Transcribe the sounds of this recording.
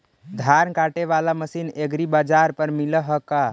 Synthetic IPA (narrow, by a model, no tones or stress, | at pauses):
d̪ʱaɾnkaʈeʋalaməsineɡɾibad͡ʒaɾpəɾmiləɦəka